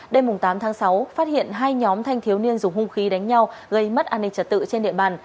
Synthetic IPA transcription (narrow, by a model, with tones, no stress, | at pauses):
ɗe˧jmʊ˨˩ŋ͡mt̪aː˨˦mt̪ʰaː˨˦ŋsa˨˦wfaː˦˥t̚hḭ˧˨ənɦaː˧jɲɔ˨˦mt̪ʰa˧jŋt̪ʰi˨˦əwni˧ənzʊ˨˩ŋ͡mhʊ˧ŋ͡mxi˨˦ɗa˨˦jŋ̟ɲa˧wɣə˧jmə˦˥t̚ʔaː˧˩nɗï˧˩ŋ̚t͡ɕə˨˧˩t̚t̪ɨ̰˧˨t͡ɕe˧nɗḭ˧˨əɓaː˨˩n